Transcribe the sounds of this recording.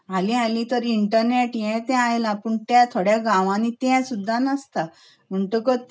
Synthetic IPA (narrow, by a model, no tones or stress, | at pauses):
alialit̪əɾiɳʈəɾneʈjɛ̃t̪ɛ̃ajelapəɳt̪jat̪ʰoɽjaɡãʋãnit̪aɛ̃sud̪ʱːanəst̪a | m̤əɳʈukə